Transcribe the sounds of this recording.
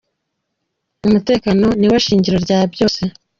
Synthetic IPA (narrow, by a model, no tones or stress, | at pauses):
umute̞ːkano̞niwaʃiːɲɟiɾo̞ɾɟaːbjo̞ːse̞